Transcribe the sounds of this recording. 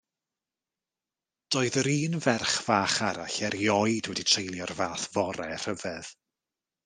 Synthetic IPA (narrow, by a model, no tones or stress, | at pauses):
d̥ɔːɨðɾiːnvɛrχv̥aːχaɾaɬɛɾjɔɨdwɛditʰejlˠjɔrvaːθv̥ɔɾɛr̥əvɛð̥